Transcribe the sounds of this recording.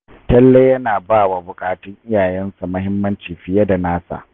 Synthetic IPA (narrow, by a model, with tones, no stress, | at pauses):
tɐ˦lːe˦jɐ˦naː˨baː˦˨wa˨bʊ˨kʼaː˨tʊ˦ŋʔɪ˦jaː˨jɛ˦nsa˨mɐ˦ɦɪ˦mːɐ˦nt͡ʃiː˨ɸɪ˨ja˦da˨naː˦sa̰˨ʔ